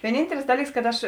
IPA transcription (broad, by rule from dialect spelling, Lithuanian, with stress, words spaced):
ʋʲiɛˈnʲiːnʲtʲɛlʲɪs ˈdɑːlʲiːks kɐt ˈɐʃ